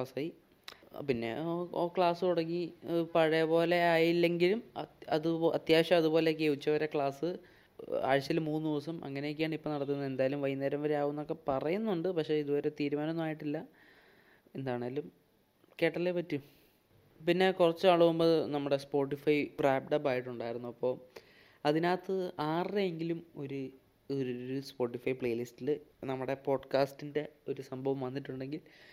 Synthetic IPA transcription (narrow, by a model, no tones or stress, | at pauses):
asaji | pinːe̞̰kɭaːsɨuɽɐŋːipɐɻɐjɐpo̞ːle̞aːjilːe̞ŋɡilumɐðɨɐ̰t̪jaːɕɐmɐðupo̞ːlek̬ːeʋit͡ɕːɐʋɐɾekɭaːsɨ | a̰ːɻt͡ɕːɐlmuːnːɨd̪iʋɐsɐmɐ̰ŋːɐnejok̬ʲːaːɳipːo̞ːnɐɽɐt̪ːunːɐend̪aːjɐlumʋɐjinːɐɾɐmʋɐɾeaːʋunːo̞kːe̞pɐrɐjunːuɳɖɨpɐkʂe̞iðuʋɐɾet̪iːɾumaːnɐnːmaːjiʈːilːɐ | e̞nd̪aːɳaːlum | ke̞ːʈːɐlepɐtːu | pinːe̞kurɐt͡ɕːuaɭɐʋumboːðnɐmːuɽe̞spo̞ːʈ̬ːifɐjfraːp̚ɖɐpːaːjiʈːuɳɖaːjiɾunːuɐpːo̞ː | ɐðinaːt̪ːɨaːreeŋɡilumo̞ɾu | uspo̞ːʈːifɐjpɭɐjlistilɨnɐmːuɽe̞po̞ːɖkaːstinde̞o̞ɾusɐmbʱɐʋɐmʋɐnːiʈːuɳɖe̞ŋɡil